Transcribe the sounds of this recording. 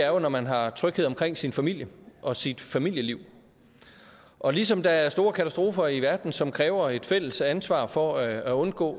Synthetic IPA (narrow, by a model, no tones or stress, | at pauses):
æɐjo̝nɒmænɦɑ̈t͡sʰʁœɡ̥heðˠɒmkʰʁeŋ̰sinfæmil̰jəʔɒ̽sid̥fæmil̰jəliʊ̰ | ʔɒ̽lisɒ̽md̥ɑ̈æɐsd̥o̝ːɐkʰæt͡sʰæsd̥ʁo̝ːfɐiʋæɐd̥n̩sɒ̽mkʰʁɛːʊɐe̝d̥fel̰əsænsʋɑ̰̈ːfɒ̽æɔ̽nɡ̥ɔ̰ː